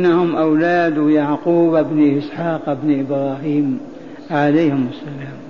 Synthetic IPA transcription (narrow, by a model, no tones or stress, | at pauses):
nːahʊmʔawlaːd̪jaʕquːbɪbnʔɪsħaːqɪbnʔɪbɾˤɑːɦiːm | ʕalajhɪmasːalaːm